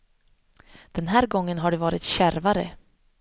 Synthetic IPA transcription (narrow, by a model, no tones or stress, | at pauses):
d̪̥ɛnɦæːɾɡɔŋːənɦaɖɵvɑːɾɪt̪ɕæɾvaɾə̰